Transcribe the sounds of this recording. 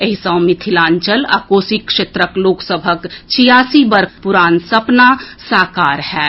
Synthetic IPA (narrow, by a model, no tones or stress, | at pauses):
əɦisə̃mɪt̪ʰilaːnt͡ʃəla̰ːkoːsikʃeːt̪ɾəkloːksəbʱəkt͡ʃʰijaːsibəɾkʰpuɾaːnsɐpnasaːkaːɾhɛː